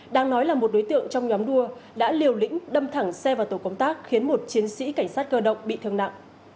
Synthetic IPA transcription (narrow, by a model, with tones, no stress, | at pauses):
ɗaː˧ŋnɔ˨˦jlaː˨˩mo˨˩t̚ɗo˨˦jt̪ɨ̰˧˨əŋt͡ɕɔ˧wŋ͡mɲɔ˨˦mɗu˧əɗa̰ː˧˥li˨˩əwlḭ̈˧˥ŋ̟ɗə˧mt̪ʰa˧˩ŋsɛ˧vaː˨˩wt̪o˧˩kə˧wŋ͡mt̪aː˦˥k̚xi˨˦ənmo˨˩t̚t͡ɕi˨˦ənsḭ˧˥ka˧˩ŋ̟saː˦˥t̚kəː˧ɗə̰˧˨wŋ͡mɓḭ˧˨t̪ʰɨ˧˩əna̰˧˨ŋʔ